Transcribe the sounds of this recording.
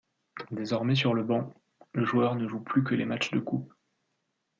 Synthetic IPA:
d̪ezɔʁmɛs̬yʁləbɑ̃ | ləʒuœʁnəʒuplykəlemat͡ʃd̪əkʰup

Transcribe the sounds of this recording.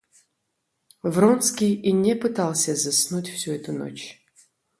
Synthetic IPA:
vronskʲijinʲɛpɨt̪alˠsʲɐzɐsnutʲfsʲuɛt̪uno̰t͡ɕ

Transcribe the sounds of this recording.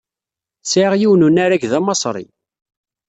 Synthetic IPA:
sʕʁjiwnunæɾæɡðæmɑsˤɾˤḭ

